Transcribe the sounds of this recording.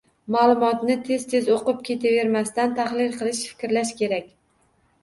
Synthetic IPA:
maːlˠʊmɒt̪nɪt̪ʰe̞z̥t̪ʰe̞zoqɨp̚kʲe̞t̪ʰave̞ɾmast̪ant̪ʰaχlɪlqʰɨlˠɪʃfɪ̥kʲɾlaʃkʲe̞ɾakʲ

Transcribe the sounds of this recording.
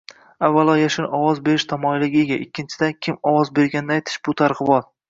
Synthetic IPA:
avːalˠɒjaʃɪnɒwɒzbe̞ɾɪʃt̪ʰamɒjlɪɡʲɪeɡʲaʔɪkʲːɪnt͡ʃʰɪd̪ankʲʰɪmɒwɒzbe̞ɾɡʲanɪːɪajt̪ʰɪ̥ʃbʊt̪ʰaɾqɨbɒl

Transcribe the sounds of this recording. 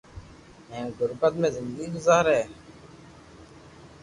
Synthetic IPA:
ɦẽːɡʱʊɾpət̪̚mẽːzɪnd̪ɡiːɡʊzaːɾeː

